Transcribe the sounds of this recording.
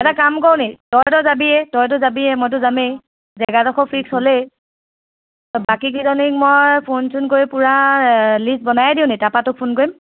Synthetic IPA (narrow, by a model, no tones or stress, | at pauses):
ɛtakamkɔɹnetɔɹtɔzabiɛtɔjt̬ʊzabiɛmojt̬ʊzamej | zɛɡadɔxɔpʰɹikshole | bakikidɔnik̚mojpʰunsʰunkoɹipuɹalist̚bɔnajɛdiʊ̃netapatʊk̚pʰunkoɹim